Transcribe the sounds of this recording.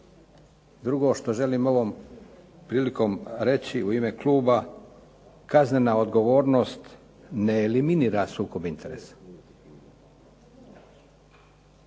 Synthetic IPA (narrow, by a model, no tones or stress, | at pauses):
d̪ɾuɡo̞ʃt̪o̞ʒe̞limo̞ʋom | pɾiːliko̞mɾe̞t͡ɕiuime̞klˠuːba | kazne̞nao̞d̪ɡo̞ʋo̞ːɾno̞st̪ | neːliminiːɾasuːko̞bint̪ʰe̞ɾḛsḁ